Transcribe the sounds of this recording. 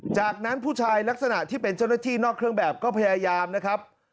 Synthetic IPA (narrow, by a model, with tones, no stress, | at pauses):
t͡ɕaː˨˩k̚na˦˥npʰuː˥˩t͡ɕʰaː˧jla˦˥k̚sa˧na˨˩ʔt̪ʰiː˥˩pe˧nt͡ɕa˥˩wna˥˩t̪ʰiː˥˩nɔː˥˩kʰɾɯ˥˩əŋbɛː˨˩p̚kɔː˥˩pʰa˧jaː˧jaː˧mna˦˥kʰɾa˦˥p̚